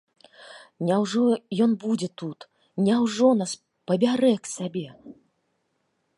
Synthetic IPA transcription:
nʲɛwʐɔjɔnbud͡zʲɛt̪ut̪ | nʲɛwʐɔnas | pɐbʲaɾɛksʲabʲɛ

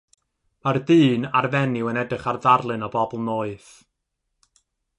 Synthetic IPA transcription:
mardɨːnarvɛnɪwənɛdɨχarðarlˠɨnɔbɔbɔlˠnoːɨθ

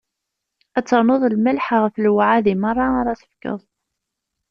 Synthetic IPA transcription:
æt͡sːəɾˤnoðˤlməlħʁəfəlwʕaðimərˤːɑaɾˤɑθə̥fkə̰ðˤ

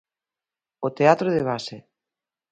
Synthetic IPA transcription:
ot̪eat̪ɾoðeβ̞ase

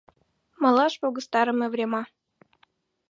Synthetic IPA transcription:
mɑlˠɑʃpoɣə̆st̪ɑɾə̆mevrʲemɑ

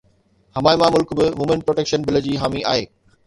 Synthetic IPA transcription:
hɐmaːɪmãmʊlkbɪmuːmẽnpɾoːʈeːkʃənbɪləd͡ʑiːɦaːmiʔa̰ːɦeː

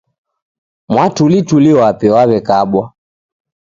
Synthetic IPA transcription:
mwatulituliwapɛwaβɛkaɓwa

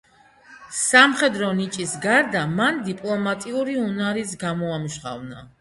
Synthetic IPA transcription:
samχɛd̪ɾɔnit͡ʃʼisɡaɾd̪amand̪ipʼlˠɔmat̪ʼiuɾiunaɾis̬ɡamɔamuʃχa̰vna

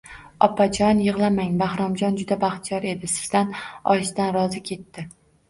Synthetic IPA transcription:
ɒpʰad͡ʒɒnjɨʁlˠamaŋbahɾɒmd͡ʒɒnd͡ʒʊd̪abaχt̪ʰɪjɒɾe̞d̪ɪsɪ̥zd̪anɒʃd̪anɾɒzɪkʲʰe̞t̪ʰːɪ

